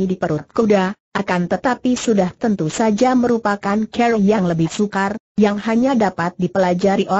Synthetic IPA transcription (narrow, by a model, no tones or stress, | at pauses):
idipəɾʊt̪̚kudaʔakant̪ət̪apisudaht̪ənt̪usad͡ʒaməɾupakankɛɾjaŋləbɪhsukar | jaŋɦaɲadapat̪̚dipəlad͡ʒaɾiʔo